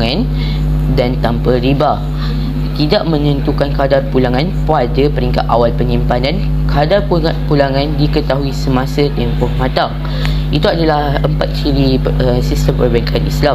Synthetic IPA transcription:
ŋãn | dant̪ampaɾiba | t̪idaʔmə̃nə̃nt̪ukankadarpulaŋãnpadəpəɾiŋka̰t̪awalpəɲĩmpanãn | kʰadarpuapulaŋãndikət̪aɦuisəmãsət̪ɛmpɔhmãt̪aŋ | it̪uadalahəmpat̪̚t͡ʃiɾiəsist̪əmpərbaŋkʰanḭsla

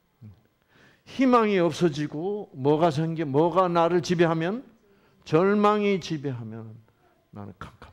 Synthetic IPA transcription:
çimaŋiʌp̚s͈ʌd͡ʑiɡomʌɡas̬ʰanɡemʌɡanaɾɯɭt͡ɕibeɦamjʌn | t͡ɕʌɭmaŋit͡ɕibeɦamjʌnnː | a̰nɯ̰nkʰakʰḁ

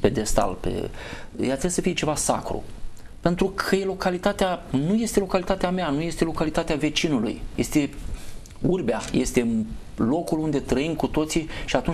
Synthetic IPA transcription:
ped̪e̞st̪a̰lpḛjat̪ɾesəfijet͡ʃe̞vasa̰kɾṵ | pe̞nt̪ɾukʰəje̞lo̞kalit̪at̪eanuje̞st̪elo̞kalit̪at̪eameanuje̞st̪e̞lo̞kalit̪at̪eave̞t͡ʃinulṵjje̞st̪e̞ | urbeaje̞st̪e̞ | lo̞kulund̪e̞t̪ɾəimkut̪o̞t̪siʃiat̪un

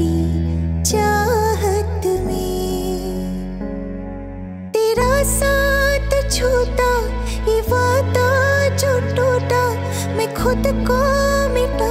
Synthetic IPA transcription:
i | t͡ʃaːɦət̪meː | t̪eːɾasat̪t͡ʃʰot̪aiʋaːt̪ad͡ʒoːʈoʈa | mẽkʰod̪kɔmeʈa

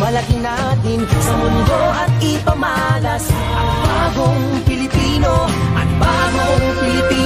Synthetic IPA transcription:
mɐlɐk̪ɪnat̪ɪnsɐmʊnd̪o̞ʔɐt̪̚ʔɪpɐmɐʔaːlɐs | ʔɐt̪baːɡoŋpɪlɪpiːnoʔɐt̪̚baːɡoŋpɪlɪpiː

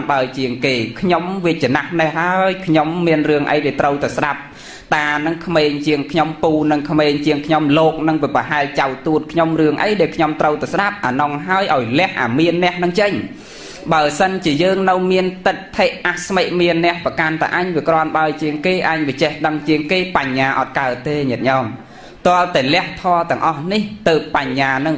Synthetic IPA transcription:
nɓaəjt͡ɕiəŋkeːkʰɲomʋiəc̪̚t͡ɕanahnɛhlaəjkʰɲomːiənrɨəŋʔə̰jɗaɛlt̪rəwt̪asɗap̚ | t̪aːnɨŋkʰmeːɲt͡ɕiəŋkʰɲompuːnɨŋkʰmeːɲt͡ɕiəŋkʰɲomloːk̚nɨŋʋiəprɑəɦaɛlt͡ɕawt̪uət̪̚kʰɲomrɨəŋʔə̰jɗaɛlkʰɲomt̪rəwt̪asɗap̚ʔa̰ːnɔŋɦaəjʔaɔjlɛ̆əhʔa̰ːmiənːɛ̆əhnɨŋt͡ɕəɲ | ɓaəsənt͡ɕiəjəːŋnɨwmiənt̪ɨt̪̚t̪ʰːeʔʔahsmeːʔ̚miənːɛ̆əhprəkant̪a̰ʔaɲʋiəkrŏənɓaəjt͡ɕiəŋkeːʔaɲʋiət͡ɕɛhɗəŋt͡ɕiəŋkeːpaɲːaːʔɑ̰t̪̚kaət̪̚ːeːɲɛət̪̚ɲɑːm | t̪ŏəlt̪aɛlɛ̆əht̪ʰɑːt̪ɛ̆əŋʔɑhniht̪əːpːaɲːaːnɨŋ

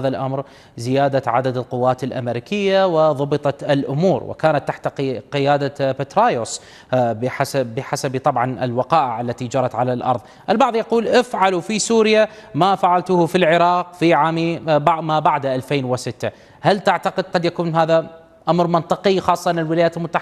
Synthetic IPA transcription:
ðalʔamɾ | zɪjaːd̪aʕad̪ad̪ɪlqʊwːaːt̪ɪlʔa̰meɾikʰɪjːawɪðˤʊbɨt̪ˤɑt̪ɪlʔʊmuːɾwɪ̰kaːnat̪ːaħt̪aqɪjaːd̪apat̪ɾaːjʊs | bħasabɪħasabt̪ˤɑbʕɑnɪ̰lwɑqɑːʔɪʕʔalːat̪id͡ʒɑɾˤɑt̪ʕalalʔɑ̰ɾˤðˤ | ʔɪlbɑʕðˤjɑquːlʔɪfʕalufisuːɾɪja | mafaʕalt̪ʊhfilʕɪɾɑːqfiʕaːmibamabaʕd̪ʔalfeːnwɪsɪt̪ːa | halt̪aʕt̪aqɪd̪̚qɑd̪jakuːnɦaːða | ʔamɾmɑnt̪ˤɨqɪxɑːsˤːɑʔnɪlwɪlaːjaːt̪ɪlmʊt̪ːaħ

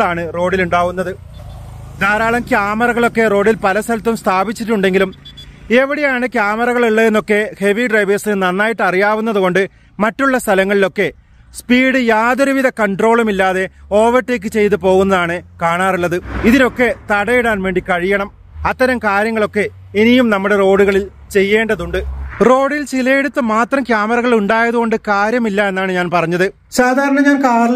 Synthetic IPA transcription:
ɭaːɳɨro̞ːɽiluɳɖaːʋunːɐðɨ | d̪aːɾaːɭɐmkjaːmɐrɐɣɐɭo̞kːe̞ro̞ːɖilpɐlɐsɐlt̪ːumst̪ʰaːbit͡ɕːiʈːuɳɖe̞ŋɡilume̞ʋiɽejaːɳɨkʲjaːmɐrɐɣɐɭiɭːɐenːo̞kːe̞he̞ʋiɖrɐjʋɐrsɨnɐnːaːjiʈːɐrijaːʋunːɐðuɣo̞ɳɖɨ | mɐtːuɭːɐst̪ʰɐlɐŋːɐɭilo̞kːe̞ | spiːɽɨjaːðoɾuʋiðʱɐkɐɳɖro̞ːɭumilːaːðe̞o̞ːʋɐrʈːeːk̬ːɨt͡ɕe̞jt̪̬ɨp̬o̞ːɣunːɐðaːɳɨkaːɳaːruɭːɐðɨiðino̞kːe̞t̪ɐɽɐjiɽaːnʋe̞ːɳɖikɐɻijɐɳɐm | ɐt̪ːɐɾɐmkaːɾjɐŋːɐɭo̞kːe̞ː | nijumnɐmːuɽe̞ro̞ːɽuɣɐɭil | t͡ɕe̞jːe̞ːɳɖɐðuɳɖɨro̞ːɽilt͡ɕilɐjeɽut̪ːɨmaːt̪rɐmkjaːmɐrɐɣɐɭuɳɖaːjɐðuɣo̞ɳɖɨkaːɾjɐmilːɐe̞nːaːɳɨɲaːnpɐrɐɲːɐðɨ | saːd̪ʱaːɾɐɳɐɲaːnkaːrl

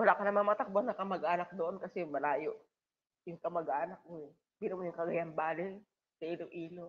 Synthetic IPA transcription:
wɐlaːkɐnɐmaŋmɐt̪ɐk̚baŋnɐkɐmɐɡʔaːnɐk̚d̪oʔonkɐsɛjʊŋmɐlaːjoʔ | jʊŋkɐmɐɡʔaːnɐk̚moɛ | b̥ɪnomojʊŋkɐɡɐjanbaːlɪ | sɐʔiːloŋʔiːlo

